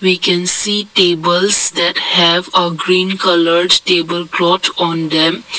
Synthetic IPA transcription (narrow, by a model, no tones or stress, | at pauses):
ʋiːkɛ̃nsiːʈeːbəlsd̪ɛʈhɛʋəɡɾĩːnkʌləɾɖʈeːbəlkɾɔːʈʰɔ̃ːnd̪ɛ̃m